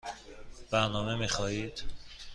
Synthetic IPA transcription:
b̥æɾnɒːmemixɒːiːd̪̥

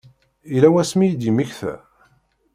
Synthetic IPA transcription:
ilæwæsmijd̪imiçθæ̰

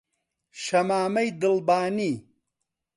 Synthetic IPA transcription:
ʃɐmaːmɐjd̪ɨlbaːni

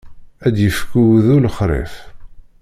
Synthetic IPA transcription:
æd̪jəfkːuwðuləχɾˤḛf

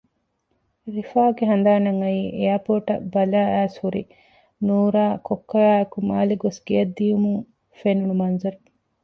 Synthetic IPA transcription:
ɾifaːɡeɦɐnd̪aːnɐŋɐjiːʔejaːpoːʈɐ̰bɐlæːæːshuɾḭ | nuːɾaːkokːɐɾaːɐkumaːliɡosɡijɐd̪ːijumuŋ | fenunumɐnzɐɾu

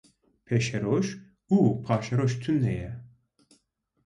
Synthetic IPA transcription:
pʰɛʃɛɾoʃ | upʰaːʃɛɾoʃt̪ʰynːɛjɛ

